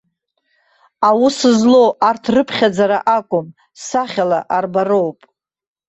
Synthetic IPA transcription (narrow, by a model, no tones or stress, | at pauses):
awusɨzlo̞wʔartʰrɨpʰχʲad͡zaɾa̰ʔakʷʼʊm | saχʲala̰ʔarbaro̞wpʼ